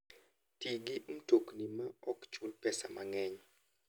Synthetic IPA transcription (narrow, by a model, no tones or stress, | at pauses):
tiɡɪʔum̩toknimaɔkt͡ʃulpɛsa̰maŋɛɲ